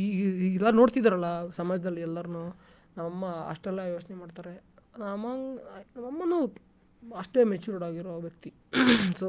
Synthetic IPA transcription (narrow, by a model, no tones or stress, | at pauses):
iɛlːɐno̞ːɽt̪id̪aɾɐlːɐsɐmaːd͡ʒɐd̪ɐlːiɛlːɐɾunu | nɐmɐmːɐɐ̰ʂʈɛlːɐjoːt͡ʃnemaːɖt̪aːɾe̞nɐmɐŋnɐmɐmːɐnuː | ɐʂʈemet͡ʃuɾɾaːɡiɾoʋjɐk̚t̪i | so